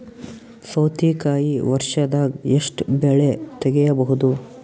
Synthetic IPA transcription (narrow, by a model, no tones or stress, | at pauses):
sɐwt̪ʰikaːjiʋɐɾʃɐd̪aːɡeʂʈbɛɭet̪ɛɡɛjɐbɐɦud̪u